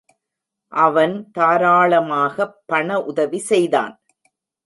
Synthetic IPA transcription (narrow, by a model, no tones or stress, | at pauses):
ʔɐʋɐnt̪aːɾaːɭɐmaːɣɐpːɐɳɐʔʊðɐʋisɛjða̰ːn